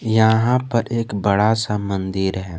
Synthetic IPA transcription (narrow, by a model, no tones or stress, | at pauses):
jɐɦãpɐɾeːkbəɽasamə̃nd̪iɾɦɛː